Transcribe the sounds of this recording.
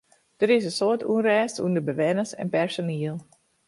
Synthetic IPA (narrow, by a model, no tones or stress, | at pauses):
d̥əɾɪsəsoətʰunrɛːstundəbəʋɛnəsɛ̰npɛrsoniəlˠ